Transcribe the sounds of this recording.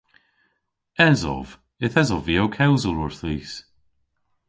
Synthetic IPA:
ɛzɔ̰v̥ | ɪθɛzɔviːowkʰɛwzəlʊɹθiːs

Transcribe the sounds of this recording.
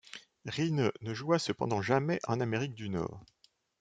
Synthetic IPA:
ʁinənəʒuasəpɑ̰̃d̪ɑ̃ʒamɛʔɑ̃nameʁik̚d̪ynɔ̰ːʁ

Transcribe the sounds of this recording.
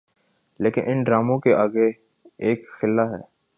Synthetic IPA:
leːkɪnʔɪnɖɾaːmõkeʔaːɡe | eːkxɪlːaɦɛː

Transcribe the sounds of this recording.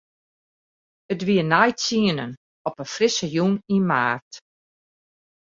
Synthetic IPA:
ətʋiənajt͡siənən | ɔpənfrɪsəjuninmaːrt

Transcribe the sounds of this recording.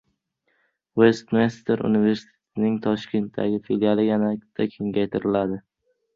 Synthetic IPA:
we̞st̪mest̪ʰeɾṵnive̞ɾsɪ̥t̪ʰe̥t̪ʰɪnɪŋt̪ʰɒʃkʲʰe̞nt̪d̪a̰ɡʲɪfeljalɪjanat̪ʰːakʲʰe̞ŋɡʲajt̪ʰɪɾɪlad̪ɪ

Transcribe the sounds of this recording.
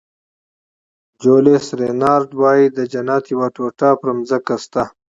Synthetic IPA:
d͡ʒolesɾenɑːɾd̪wɑːjid̪əd͡ʒɐnɑːt̪jiwaʈoːʈapɾmzakast̪a

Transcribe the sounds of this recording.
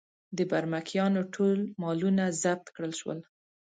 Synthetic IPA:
d̪əbaɾmakʰjɑnoʈʰolmɑlunazab̚t̪kɽəlʃwə̰l

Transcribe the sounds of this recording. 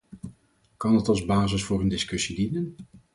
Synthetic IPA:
kɑndɑtɑlˠzbaːzəsfʊːɾəndɪskɵsidinən

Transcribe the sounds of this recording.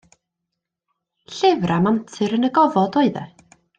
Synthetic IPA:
ɬɪvramamtʰɨɾənəɡɔvɔdɔɨðɛ̰

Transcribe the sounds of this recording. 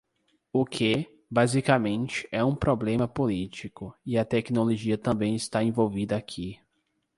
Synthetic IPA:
ʊkʰɪ | bazikamẽnt͡ʃɪ̥ʔɛũpɾoblẽmɐpolit͡ʃikʊɪɐt̪ɛknoloʒiɐt̪ɐ̃mbẽj̃ɪst̪aẽvowvid̪ɐakʰi

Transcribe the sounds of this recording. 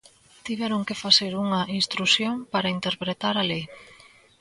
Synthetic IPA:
t̪iβɛɾoŋkefaseɾuŋɐʔinst̪ɾusjoŋpaɾaint̪eɾpɾet̪aɾale

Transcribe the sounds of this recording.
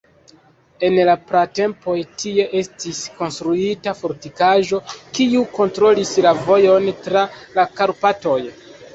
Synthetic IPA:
e̞nlapɾate̞mpo̞jtʰie̞ʔe̞stisko̞nstɾuitafo̞ɾtikaʒo̞kiuko̞ntɾo̞lislavo̞jo̞ntɾalakaɾpato̞j

